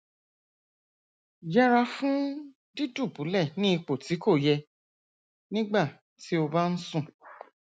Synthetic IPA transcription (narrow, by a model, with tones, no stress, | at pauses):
jɛ˦ɾa˧fũ˦ | di˦du˦˨bũ˨˦lɛ˦˨nĩ˦i˧k͡po˨ti˨˦ko˦˨jɛ˧ | nĩ˦ɡ͡ba˦˨ | ti˨˦o˧ba˦n̩˦sũ˦˨